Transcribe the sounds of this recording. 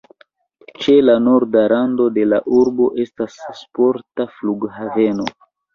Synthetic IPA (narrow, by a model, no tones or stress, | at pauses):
t͡ʃe̞lano̞ɾdaɾando̞de̞laʔuɾbo̞ʔe̞stasːpo̞ɾtafluɡhave̞no̞̰